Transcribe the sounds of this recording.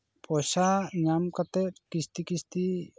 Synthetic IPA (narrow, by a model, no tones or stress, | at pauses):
pʰɔsaɲamkat̪ɛtkist̪ikist̪i